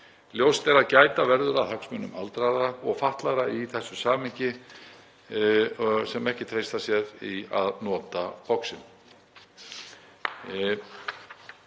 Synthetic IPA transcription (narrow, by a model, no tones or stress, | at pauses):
ljowst̪ɛɾaðcaːjt̪avɛɾðʏɾaðhœksmʏnːʏ̰ma̰lt̪ɾaðaɔɣfaht̪laɣɾaiθɛsːʏsaːmɪɲcɪ | sɛmɛhcɪt̪ʰɾejst̪asjɛɾia̰ðnɔːt̪apɔksɪn